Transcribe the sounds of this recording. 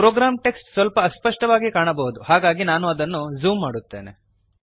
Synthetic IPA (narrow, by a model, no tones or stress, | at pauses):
pɾoːɡɾaːmʈe̞ksʈsʋɐlpɐːspɐʂʈɐʋaːɡikaːɳɐbɐɦud̪uhaːɡaːɡinaːnuɐd̪ɐnːuzuːmːaːɽut̪ːe̞̰ːne